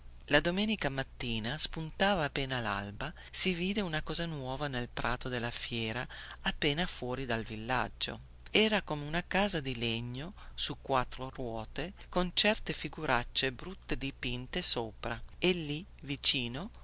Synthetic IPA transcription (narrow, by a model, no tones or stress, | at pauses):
lad̪omɛːnikamat̪ːiːnaspunt̪aːvaːpːeːnala̰lba | siviːd̪eunakɔːzanwɔːvanelpɾaːt̪od̪elːafjɛːɾaapːɛːnafwɔːɾid̪alvilːa̰d͡ʒːo̰ | ɛːɾakomeunakaːzad̪ileɲːosukːwat̪ːɾorwɔːt̪ekont͡ʃɛrt̪efiɡuɾat͡ʃːebɾut̪ːed̪ipint̪esoːpɾaelːi | vit͡ʃiːno